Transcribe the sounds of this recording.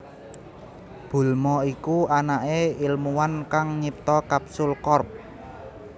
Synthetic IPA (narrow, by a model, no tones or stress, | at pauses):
b̥ṳlmɔikuanaʔeilmuwankaŋɲip̚t̪ɔkapsʊlkɔrp̚